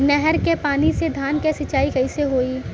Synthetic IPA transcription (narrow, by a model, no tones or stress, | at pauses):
nɛɦɛɾkepaːnised̪ʱaːnkesɐt͡ʃaːikɛɪseɦoːiː